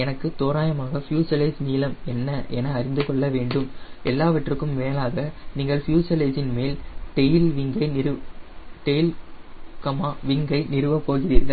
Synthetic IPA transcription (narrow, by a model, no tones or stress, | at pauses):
ɛnɐkːɯt̪oːɾaːjɐmaːɣɐfjuːt͡ʃɐlɐɪsniːlɐmɛnːɐʔɛ̰nɐːɾɪnd̪ɯkɔɭːɐʋeːɳɖɯmʔɛlːaːʋɐʈrɯkːɯmʋeːlaːɣɐniːŋɡɐɭfjuːt͡ʃɐlɐɪsɪnmeːlʈejɪlʋɪŋɡɐɪnɪɾɯʈejɪlkɐmaːʋɪŋɡɐɪnɪɾɯʋɐpːoːɣɪriːɾɡɐ